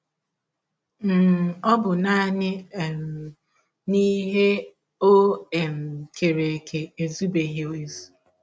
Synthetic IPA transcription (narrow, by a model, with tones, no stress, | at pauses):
ɔ˦bʊ˨na˦nɪ˦˨ | ni˦ɦe˦ | o˦e˨m̩˨kʰe˨ɾe˨kʰe˨e˨zu˦be˨ɦi˦o˦e˨zu̥˨